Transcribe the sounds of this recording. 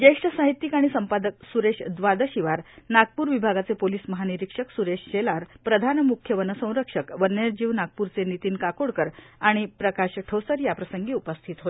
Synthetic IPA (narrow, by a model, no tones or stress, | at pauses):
d͡ʑəjʂʈəsaɦit̪jikaɽ̃isəmpad̪ək̚suɾeʂd̪ʋad̪əɕiʋaɾnaɡ̚puːɾʋibʱaɡat͡sepoliːsməɦaniɾikʂəksuɾeʂɕelaɾpɾəd̪ʱanmukʰjəʋənəsə̃w̃ɾəkʂəkʋəneɾd͡ʑiʋnaɡ̚puɾt͡senit̪iːnkakoɽkəɾaɽ̃ipɾəkaɕʈʰəwsəɾjapɾəsəŋɡiːupəst̪ʰit̪ɦot̪e